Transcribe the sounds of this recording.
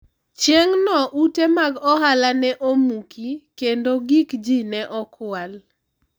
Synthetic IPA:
t͡ʃeŋnɔʔutemaɡɔɦalanɛʔomukʰikendoɡikd͡ʒinɛʔɔkʊal

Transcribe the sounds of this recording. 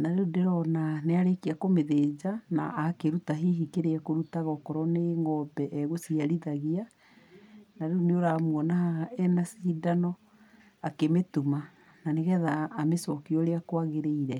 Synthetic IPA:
naɾodeɾɔnaneaɾekiakomeðed͡ʒana̰ʔakeɾutaɦeɦikeɾeɛkoɾutaɣɔkɔɾɔneŋɡɔbɛʔɛɣosiaɾiðaɣia | naɾeoneoɾamuɔnahaɛnasiːdanɔ | akemetuma | naneɣɛðaːmesɔkiɔɾeakwaɣeɾeiɾɛ

